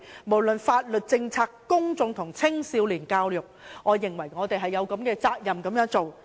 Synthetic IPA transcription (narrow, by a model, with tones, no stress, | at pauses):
mo˨˩wlɵ˨nfaː˧t̚lɵ˨t̚t͡sɪ˧ŋt͡sʰaː˧kkʊ˥ŋt͡sʊ˨˧ŋt̪ʰʊ˨˩ŋt͡sʰɪ˥ŋsiː˨˧˥wliː˨˩nkaː˧wjʊ˨˩k̚ŋɔː˨˧jɪ˨˩ŋwɐ˨˩jŋɔː˨˧t̪e˨˩jɦɐ˨jːɐ˨˧wkɐ˨˥mkɛː˧t͡saː˧k̚jɐ˨mkɐ˨˥mjœː˨˥ŋt͡so˨w